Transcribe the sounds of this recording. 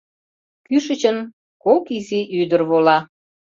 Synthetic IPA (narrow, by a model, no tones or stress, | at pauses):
kyʃət͡ɕən | kokiziʔyd̪ərβolɑ